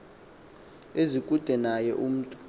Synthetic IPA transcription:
ezikʼud̥ʱɛnajɛʔum̩ːtʼu̥

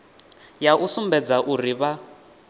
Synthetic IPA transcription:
jaʔusumbɛd͡zaʔuriβa

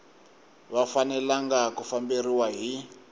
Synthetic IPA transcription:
βafanɛlaŋɡakufambiriwaɦi

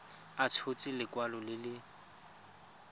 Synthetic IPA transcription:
at͡sʰot͡sʼilɪkʼwalɔlɪlɪ

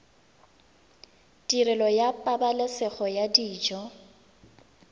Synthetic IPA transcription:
diɾɪlɔjapʼabalɪsɛɣɔjadiːd͡ʒɔ

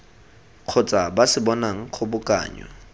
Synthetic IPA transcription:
q͡χʰʊt͡sʼabasɪbɔnaŋ̩q͡χʰʊbʊkʼa̰ːɲwa̰

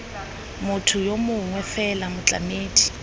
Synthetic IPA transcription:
mʊtʰʊjomʊŋwɛfɛlamʊt͡ɬʼa̰meːtʰi̥

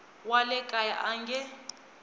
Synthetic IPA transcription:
walɛkʼaja̰ʔaŋɡɛ

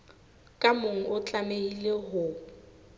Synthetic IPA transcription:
kʼamʊŋ̩ʔʊt͡ɬʼameileɦʊ

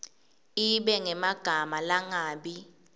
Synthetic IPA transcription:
iɓɛŋɛmaɡ̥ʱamalaŋaːɓi

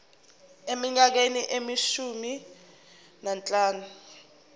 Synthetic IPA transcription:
emiɲak̬eniʔemiʃumi | nant͡ɬʼaːnu

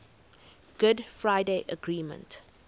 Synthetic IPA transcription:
ɡ̥ʊdfɹaɪdeʔəɡɹiːmə̰̃nt

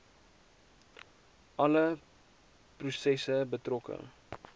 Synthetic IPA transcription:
ʔɐlə | prusɛsəbətrɔkə̰

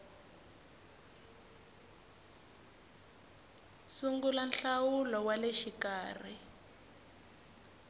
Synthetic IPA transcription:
suŋɡulanɬawulɔwaleʃikaːr̤i

